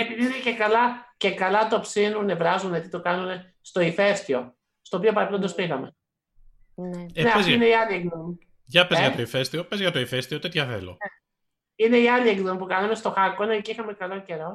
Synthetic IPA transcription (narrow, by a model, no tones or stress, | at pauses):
epiðiinece̞kɐlɐce̞kɐlɐt̪o̞psinunevɾɐzunet̪it̪o̞kɐnune̞ | st̪o̞ife̞st̪io̞ | st̪oːp̬io̞pɐɾɐpilond̪ospiɣɐme | nneiineiɐliekðomi | ʝɐpezʝɐt̪o̞ife̞st̪io̞pezʝɐt̪o̞ifest̪iot̪e̞t̪çɐθḛlo̰ | ine̞iɐliekðomipukɐnɐme̞st̪o̞xɐkonɐceixɐme̞kɐlo̞ce̞ɾo̞